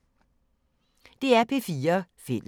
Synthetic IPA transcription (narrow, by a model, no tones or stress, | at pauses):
d̥e̝æɐpʰe̝fiːɐfe̝l